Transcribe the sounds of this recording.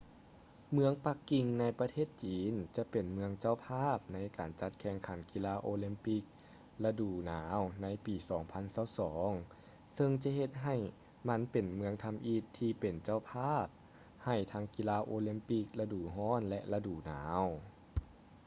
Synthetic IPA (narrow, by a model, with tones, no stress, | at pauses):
mɯ˧˥əŋpa˧˥kːi˧ŋna˧˥jpa˧t̪ʰeː˥˩t̪̚t͡ɕiː˨nt͡ɕa˧˦pe˨˩nmɯ˧əŋt͡ɕa˧˥˩wpʰaː˥˩p̚na˧˥jkaː˨˩nt͡ɕa˧˥t̪̚kʰɛ˧˩ŋkʰa˨˩˦nki˧laː˧˥ʔoː˧li˧˥mpi˧˥k̚ | la˧duː˨˩naː˩˦wna˧˥jpiː˨˩sɔː˩˦ŋpʰa˧˥˨nsaː˧˩wsɔː˩˦ŋ | sɤ˧ŋt͡ɕa˧˦ɦe˧t̪̚ɦa˨˩j | ma˧˥npe˨˩nmɯ˧əŋt̪ʰa˧mʔi˧˩t̪ʰːiː˧pe˨˩nt͡ɕa˧˩wpʰaː˥˩p̚ | ha˨˩jt̪ʰa˧˥ŋki˧laː˧˩ʔoː˧li˧˥mpi˧˥˩k̚la˧duː˨˩ɦɔː˧˥˨nlɛ˧ʔla˧duː˨˩naː˩˦w